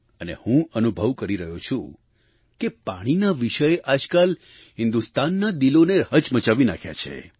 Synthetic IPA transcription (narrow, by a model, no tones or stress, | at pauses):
ənḛhũənubʱəʋkəɾiɾəɦot͡ʃʰũ | kepaɽ̃inaʋiʃəjeʔad͡ʒkal | ɦɪ̃nd̪ust̪anːad̪iloneɦət͡ʃmət͡ʃaʋinakʰja̰t͡ʃʰḛ